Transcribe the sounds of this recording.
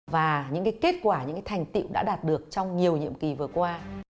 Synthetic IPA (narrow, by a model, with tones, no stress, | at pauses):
vaː˨˩ɲɨ̰˧˥ŋkaː˨˦jke˦˥t̚kwaː˧˩ɲɨ̰˧˥ŋkaː˨˦tʰa˨˩jŋ̟t̪ḭ˧˨wʔɗa̰ː˧˥ɗaː˨˩t̚ɗɨ˨˩ək̚t͡ɕɔ˧wŋ͡mɲi˨˩əwɲḭ˧˨əmki˨˩vɨ˨˩əkwaː˧